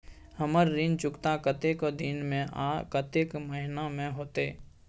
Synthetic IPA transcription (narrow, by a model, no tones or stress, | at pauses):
həməɾːɪnt͡ʃʊkt̪akət̪eːkd̪inmẽʔakət̪eːkməɦɪnamẽɦoːt̪eː